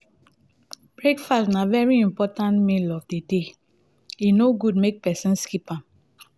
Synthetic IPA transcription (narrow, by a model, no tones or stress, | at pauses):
b̥ɹekfastnavɛɹiĩmpɔtãntmĩlɔvdede | inoɡud̚mek̚pɛsɛ̃nskipãm